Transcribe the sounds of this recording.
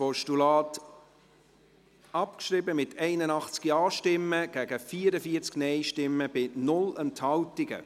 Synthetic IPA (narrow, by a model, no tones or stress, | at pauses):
pɔʃtulɑːt | ɑpkʃɾibəmɪtʰɛɪnənɑχt͡skiɑːʃtɪmːəɡ̥æɡ̥əfiːəɾəfiːəɾt͡sknɛɪʃtɪmːəbɪnʊlɛnthɑwtɪɡ̥ə̰